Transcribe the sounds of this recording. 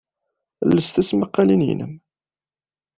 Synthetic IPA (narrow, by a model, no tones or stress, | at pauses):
lːəsθæsməqːɑlinjə̰nə̰m